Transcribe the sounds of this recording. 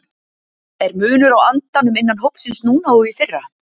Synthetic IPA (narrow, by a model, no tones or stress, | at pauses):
ɛɾmʏːnʏɾawant̪anʏmejnːanɦowpsɪnsnuːnaɔɣifɪrːa